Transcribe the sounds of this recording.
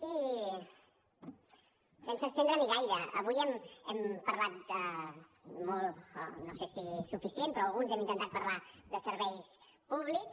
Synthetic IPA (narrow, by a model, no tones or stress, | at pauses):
i | sensəst̪enɾəmiɣajɾəə̰βujɛmɛmpəɾlat̪̚ə | mɔlˠt̪nosesisufisiempɾɔəlˠɣunzɛmint̪ənt̪at̪̚pəɾlaðəsəɾβɛjs | puβliks